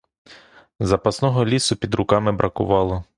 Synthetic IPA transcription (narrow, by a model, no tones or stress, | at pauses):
zɐpɐsnɔɦɔlʲisʊpʲid̪ɾʊkɑmɪbɾʔɐkʊ̰ʋɑlˠɔ